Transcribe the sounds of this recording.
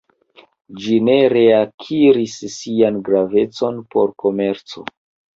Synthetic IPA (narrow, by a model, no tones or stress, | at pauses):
d͡ʒine̞ɾe̞akʰiɾisːianɡɾave̞t͡so̞npo̞ɾkʰo̞me̞ɾt͡so̞̰